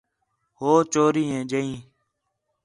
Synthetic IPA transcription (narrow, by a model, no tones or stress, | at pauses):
hoːt͡ʃoːɾiːẽːd͡ʒəĩː